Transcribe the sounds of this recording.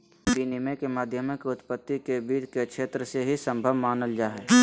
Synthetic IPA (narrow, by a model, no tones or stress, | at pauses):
binimẽkemaːd̪ʱjəmɪkʊt̪pət̪ːikebiːd͡ʒkekʃeːt̪ɾəseɦisə̃mbʱəʋmaːnəld͡ʒaːɦɛː